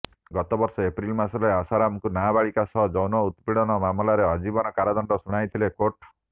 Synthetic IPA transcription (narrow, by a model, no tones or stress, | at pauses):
ɡɔt̪ɔbɔɾsɔepɾilmasɔleasaɾamkunabaɭikasɔɦɔd͡ʒɔwnɔut̪piɽɔnɔmamlaɾeɔd͡ʒibɔnɔkaɾad̪ɔɳɖɔsuɽ̃ajt̪ʰilekoʈ